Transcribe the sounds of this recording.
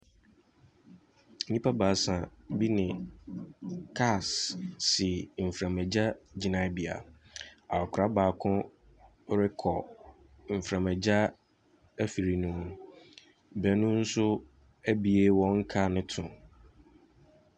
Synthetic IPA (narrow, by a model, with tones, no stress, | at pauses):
n̩˨ĩ˦pʰa˦baː˨sã˨bi˦nɪ̃˨ | kʰa˦˨sː | ɪ˨m̩˨fɾã˨mɛ˨d͡ʑa˦d͡ʑi˨nã˨bi˨a̰˨a˨kʰɾa˦baː˨kʰʊ̃˦ | ɾɪ˦kʰɔ˨ | m̩˨fɾã˨mɛ˨d͡ʑa˦ | æ˦fi˨ɾi˨nũ˨ | bæ˨nʊ̃˦n̩˦sʊ˦ | æ˦bi˨e˦wɔ̃˨˦ŋ̩˦kʰa˦˨nɪ̃˦tʰʊ̃˨